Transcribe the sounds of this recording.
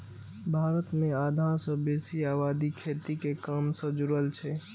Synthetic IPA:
bʱaːɾət̪mead̪ʱãsə̃besiabaːd̪ikʰet̪ikekəmsə̃d͡ʒuɾəlt͡ʃʰɛ

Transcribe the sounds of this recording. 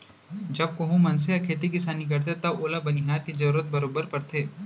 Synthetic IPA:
d͡ʒɐb̚koɦũmɐns̬ejɐkʰeːt̪̬ikɪsaːnik̬ɐɾt̪̬et̪ɐboːlabɐnɪɦaːɾkizɐɾuːɾət̪̚bɐɾoːbəɾpɐɾt̪ʰeː

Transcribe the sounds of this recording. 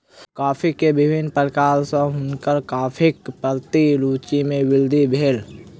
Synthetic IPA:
kaːpʰikebɪbɪnpəlkaːlsə̃ɦʊnkəɾkaːpʰɪkpəlt̪iɾuːt͡ʃimẽwɪld̪ʱibʱeːl

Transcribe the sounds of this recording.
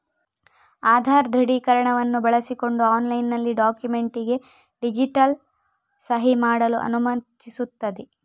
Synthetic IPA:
aːd̪ʱaːɾd̪ʱɾɐɽiːkɐɾɐɳɐʋɐnːubɐɭɐsiko̞ɳɖuaːnlɐjnːɐlːiɖaːkjume̞ɳʈiɡe̞ | ɖid͡ʒiʈɐl | sɐɦimaːɽɐluʔɐ̰numɐt̪isut̪ːɐd̪e

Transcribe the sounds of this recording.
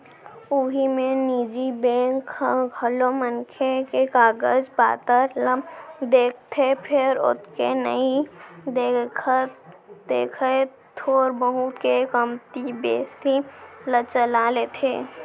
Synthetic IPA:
ʊɦimẽniːd͡ʒibẽːkʰəlomənkʰekekaːɡəd͡ʒba̰ːt̪əɾ | d̪eːk̚ʰt̪ʰepʰɪɾʊ̰t̪ʰkenə̰id̪e | d̪eːkʰe | t̪ʰoːɾbəɦʊt̪kekəmt̪ibeːsilət͡ʃəlalet̪ʰeː

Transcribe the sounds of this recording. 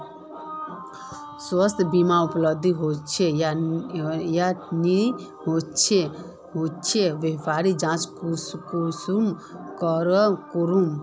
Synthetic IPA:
səst̪ʰbimaupləbd̪ʱiɦot͡ʃʰeja | jani | ɦot͡ʃʰe | ɦot͡ʃʰeʋjəpʰaɾid͡ʒãt͡ʃkukusumkəɾəkuɾum

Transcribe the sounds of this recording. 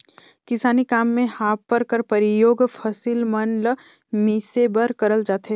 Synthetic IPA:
kɪsaːnikaːmːẽhaːpːəɾkəɾpɐɾɪjoːɡfʰɐsilmɐnl | miːsebəɾkɐɾəld͡ʒaːt̪e

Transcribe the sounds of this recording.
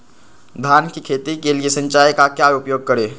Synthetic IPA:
d̪ʱaːnkikʰeːt̪ikeliesə̃ɲt͡ʃaːjkakjaːʊpjoːɡ̚kəɾeː

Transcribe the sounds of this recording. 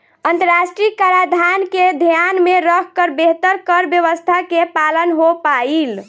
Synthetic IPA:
ənt̪əɾasʈɾikaɾad̪ʱanked̪ʱjanmeɾəkʰkəɾbeɦt̪əɾkəɾbjəβəst̪ʰakepalənɦopail

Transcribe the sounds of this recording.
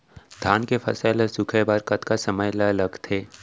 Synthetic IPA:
d̪ʱaːnkefɐ̰saːlesʊkʰebaɾkɐt̪kasɐməjlalɐɡt̪ʰeː

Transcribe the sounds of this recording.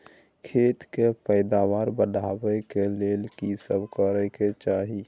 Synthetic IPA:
kʰeːt̪kepəɪd̪aʋaːɾbəɖʱaːwɛkeleːlkisəbkəɾɛket͡ʃaːɦi

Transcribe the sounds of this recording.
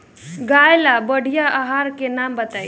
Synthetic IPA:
ɡajlabəɽ̤ʱijaʔaɦaɾkenambət̪aj

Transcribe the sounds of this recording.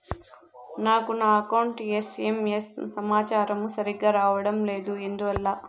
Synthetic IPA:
naːkunaːɐkɐwɳʈjesemjessɐmaːt͡ʃaːɾɐmusɐɾiɡaːɾaːʋɐɽɐmleːd̪ue̞nd̪uʋɐlːaː

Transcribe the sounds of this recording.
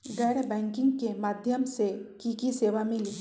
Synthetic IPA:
ɡɛːɽbɛ̃ːŋkɪ̃ŋɡkemaːd̪ʱjəmsekikiseːʋamɪli

